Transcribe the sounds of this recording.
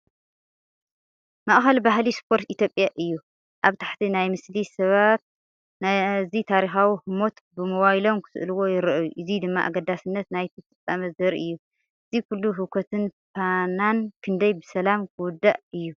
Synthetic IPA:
mɐʔʼxɐlbaɦlispʰo̞ɾt̪it̪ʰjo̞pʼjaʔɨjːu | ʔaβt̪ʰḁħt̪ʰinajmɨslisɐβat̪̚ | nazit̪ʰaɾixawihɨmo̞t̪bɨmɐwajilo̞mkʰɨ̥sɨ̰ʔluwo̞jɪɾʔɐjuʔɨzid̪ɨmːa̰ʔa̰ɡɐd̪asɨnːɐt̪najt̪ʰifʼɨt͡sʼːamɐzɐɾiʔɨjːu | ʔɨzikʰulːuɦɨkʰɐt̪ʰɨnpʰanankʰɨnd̪ɐjbɨsɐlamkʰɨwʊd̪ːaʔɨjːu

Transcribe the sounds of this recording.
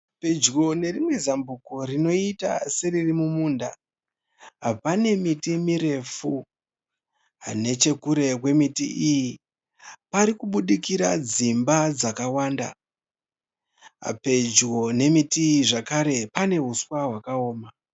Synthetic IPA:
pe̞d͡ʒɡo̞ne̞rimwe̞zambukorino̞ita̰se̞ririmumuːnda | ɦapane̞mitimiɾe̞fu | ɦa̰ne̞t͡ʃe̞kuɾe̞kwe̞mitḭiji | paɾikuɓuɗikiɾad͡zimbad͡zakawaːnda̰ | pe̞d͡ʒɡo̞ne̞mitiiʐakaɾe̞pane̞ɦuswaɦwakao̞ːma

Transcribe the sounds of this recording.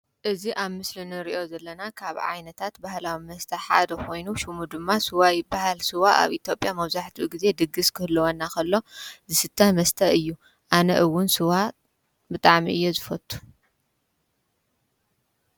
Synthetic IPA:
ʔɨziʔaβmɨslinɨɾiʔo̞zɐlːɐnakʰaβʕa̰jnɐt̪ʰat̪bahlawimɐst̪ʰɐħa̰d̪ɐkʰo̞jnuʃumud̪ɨmːasɨwajbaɦalsɨwaʔa̰βʔit̪ʰjo̞pʼjamɐβzaħt̪ʰiuɡize̞d̪ɨɡːɨskʰɨhɨlːɐwɐnːakʰɐlːo̞zɨsɨt̪ʰːɐmɐst̪ʰɐʔɨjːu | ʔanɐʔɨwʊnsɨwa | bɨt̪ʼaʕmiʔɨjːozɨfɐt̪ʰʼːu̥

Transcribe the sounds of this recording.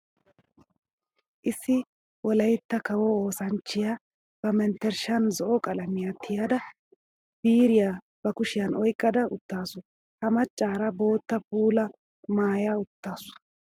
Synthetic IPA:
ʔɪsːɪ | wɔlɐjt̪ːɐkɐwɔoːsɐnt͡ʃːɪja | b̥ɐmɛnt̪ːɛɾʃɐnzɔʔɔkʼɐlɐmɪjat̪ʰːɪjad̪ɐ | b̥iːɾɪja | b̥ɐkʊʃɪjɐnɔjkʼːɐd̪ɐʊt̪ːaːsʊ | hɐmɐt͡ʃʼːaːɾɐbo̞ːt̪ːɐpuːlɐ | maːjaːʊt̪ːaːsʊ̥

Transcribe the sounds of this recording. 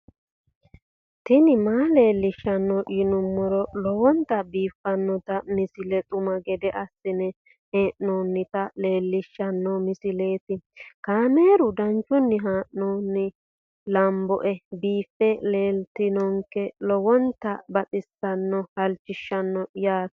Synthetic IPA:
t̪ɪnɪmaːle̞ːlːɪʃːɐnːɔjɪnʊmːɔɾɔlɔwɔnt̪ɐbiːfːɐnːɔt̪ɐmɪsɪlɛt̪ʼʊmɐɡɛd̪ɛʔɐsːɪnɛ | heːʔnoːnːɪt̪ɐle̞ːlːɪʃːɐnːɔmɪsɪleːt̪ɪkaːmeːɾʊd̪ɐnt͡ʃːʊnːɪɦaːʔnoːnːɪ | lɐmbɔʔɛbiːfːɛle̞ːlt̪ɪnɔŋkɛlɔwɔnt̪ɐbɐt̪ʼɪsːɐnːɔhɐlt͡ʃːɪʃːɐnːɔjaːt̪

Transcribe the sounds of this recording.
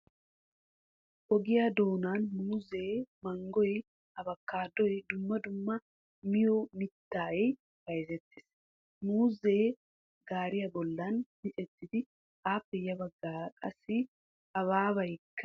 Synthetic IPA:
ʔɔɡɪjad̪o̞ːnaːnmuːze̞ːmɐŋɡɔj | ɐbɐkːaːd̪ːɔjd̪ʊmːɐd̪ʊmːɐ | mɪjɔmɪt̪ːaːɛj | bɐjzɛt̪ːɪ̥ːs | muːzeː | ɡaːɾɪjɐbɔlːɐnmɪt͡ʃʼɛt̪ːɪd̪ɪ | ʔaːpːɛjɐbɐɡːaːkʼɐsːɪ | ɐβaːβɐjkʰːɐ

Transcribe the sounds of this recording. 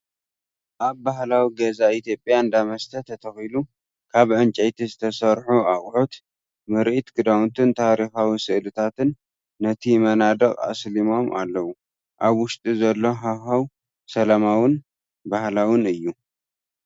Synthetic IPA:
ʔaβːahlawiɡɐzait̪ʰjo̞pʼjaɨnd̪amɐst̪ʰɐt̪ʰɐt̪ʰɐxilu | kʰaβʕɨnt͡ʃʼɐjt̪ʰizɨt̪ʰɐsɐɾħuaχʼħot̪ | mɨɾʔit̪ɡɨd̪awnt̪ʰɨnt̪ʰaɾixawisɨʔlɨt̪ʰat̪ʰɨnː | ɐt̪ʰimɐnad̪ɐkʼa̰slimo̞mʔa̰lːɐwu | ʔaβwʊʃt̪ʼizɐlːo̞ɦaxaw | sɐlamawɨn | bahlawɨnɨjːu

